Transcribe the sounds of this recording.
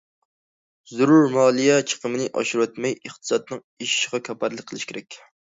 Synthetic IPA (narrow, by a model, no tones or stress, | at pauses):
zuɾuɾmɑːlˠijɛt͡ʃʰə̥qəmɨnɨʔɑ̰ʃuɾwɛt̪mɛjəχt̪ʰɨ̥sɑd̪̚nɨŋ | iʃi̥ʃɪʁɑkʲʰɑpæɾlˠək̚ʲqʰːəlˠɨʃkʲeɾɛkʲ